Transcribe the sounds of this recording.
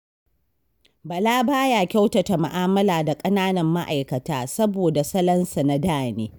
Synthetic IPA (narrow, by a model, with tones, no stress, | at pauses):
bɐ˨laː˦baː˦ja˨kʲa˦wtɐ˨ta˨ma˨ʔaː˦mɐ˦laː˨da˨kʼɐ˦naː˦nɐ˨mːa˦ʔa̰˨jkɐ˨taː˦sɐ˦boː˨da˨sɐ˦lɐ˦nsa˨na˦daː˦˨neː˦